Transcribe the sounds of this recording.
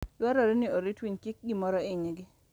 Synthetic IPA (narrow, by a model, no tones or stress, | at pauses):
lwaɾoɾenɪoɾitwiɲkɪk̚ɡimɔɾɔɪɲeɡɪ